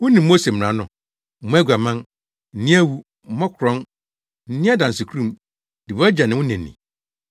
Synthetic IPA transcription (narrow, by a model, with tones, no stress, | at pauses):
wʊ̃˦nĩ˨m̩ː˦o˦se˨m̩˨ɾã˨˦nʊ̃˨ | mʊ̃˦æ˦ɡʷa˨mã˦n | n̩˨nĩ˦æ˦wu˦ | mɔ̃˦kʰɾɔ̃˦n | n̩˦nĩ˦a˦dã˨n˨sɪ˨kʰu˦ɾũ˦˨m | d̥i˨bd͡ʑa˨nɪ̃˨wʊ̃˦nɪ̃˨nːḭ̃˨